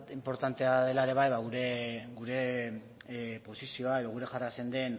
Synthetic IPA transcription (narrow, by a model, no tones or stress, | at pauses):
t̪impo̞ɾt̪ant̪e̞aðe̞laeɾe̞β̞ajβaɣuɾe̞ɡuɾe̞ | po̞sisio̞ae̞ðo̞ɣuɾe̞ʝarasend̪e̞n